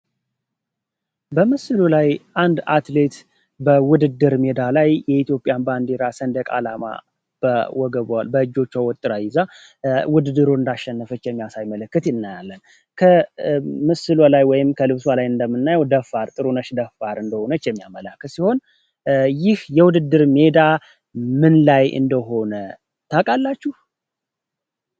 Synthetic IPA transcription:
bəmɨsɨlulajʔand̪at̪le̞t̪ | bəwʊd̪ɨd̪ːɨɾmed̪alajjɛit̪jo̞pʼijanband̪e̞ɾasənd̪əkʼa̰lama̰ | b̥əwɔɡəβwalbəɨd͡ʒːo̞t͡ʃːawɔt̪ʼːɨɾajɪza | wʊd̪ɨd̪ːɨɾoɨnd̪aʃːɛnːəfɨt͡ʃːjɛmːijasajmələkːɨt̪ɨnːajalːən | kʰə | mɨsɨlolajwɔjɪmkʰəlɨβswalajɨnd̪əmːɨnːajəwd̪əfaɾt̪ʼɨɾunəʃd̪əfaɾɨnd̪əhonət͡ʃːjɛmːija̰məlakːət̪siho̞n | jɪhjɛwʊd̪ɨd̪ːɨɾme̞d̪a | mɨnlajɨ̰nd̪əɦo̞nə | t̪ʰakʼalːat͡ʃːuh

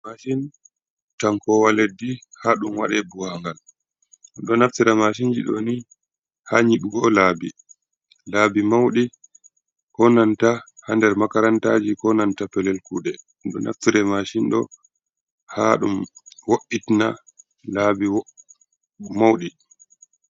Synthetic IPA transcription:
maʃin | taŋkɔwaledːihaɗumwa̰ɗɛbuhaŋɡal | ɗɔnaftiɾɛmaʃ̬ind͡ʒiɗɔ̰ni | haɲiɗuɡɔlaːbi | laːbimawɗi | kɔnantahandɛɾmakaɾantaːd͡ʒikɔnantapɛlɛlkuɗɛ | ɗɔ̰nʔa̰ftiɾɛmaʃinɗɔ̰ | ha̰ɗumwoʔːitna̰ | laːbiw | mawɗi

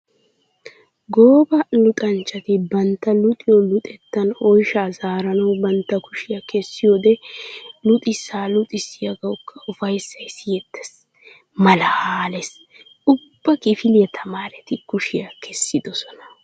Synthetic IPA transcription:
ɡoːbɐlʊt̪ʼɐnt͡ʃːɐt̪ɪbɐnt̪ːɐlʊt̪ʼɪjɔlʊt̪ʼɛt̪ːɐnɔjʃaːzaːɾɐnɐwbɐnt̪ːɐkʊʃɪjɐkɛsːɪjoːd̪ɛlʊt̪ʼɪsːaːlʊt̪ʼɪsːɪjɐɡɐwʊkʰːɐʔʊfɐjsːɐjsɪjɛt̪ːɛ̥s | mɐlɐhaːlɛs | ʊb̥ːɐkɪfɪlɪjɐt̪ʰɐmaːɾɛt̪ɪkʊʃɪjɐkʰɛsːɪd̪ɔsɔnɐ̥

